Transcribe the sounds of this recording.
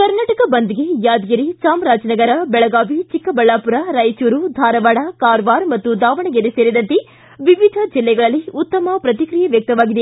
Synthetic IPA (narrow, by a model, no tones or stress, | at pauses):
kɐɾnaːʈɐkɐbɐnd̪iɡejaːd̪ɡɐɾisaːmɾaːd͡ʒnɐɡɐɾɐbɛɭɐɡaːʋit͡ʃikːɐbɐɭːaːpuɾɐɾɐjt͡ʃuːɾud̪ʱaːɾɐʋaːɽɐkaːɾʋaːɾmɐt̪ːud̪aːʋɐɳɐɡeɾeseːɾid̪ɐnt̪e | ʋiʋid̪ʱɐd͡ʒilːɛɡɐɭɐlːiut̪ːɐmɐpɾɐt̪ikɾijɐʋjɐk̚t̪ɐʋaːɡid̪e